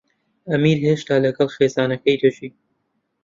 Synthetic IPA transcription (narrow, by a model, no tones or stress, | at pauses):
ɐmiːɾɦeːʃt̪aːlɐɡɐlxeːzɑːnɐkɐjd̪ɐt͡ʃiː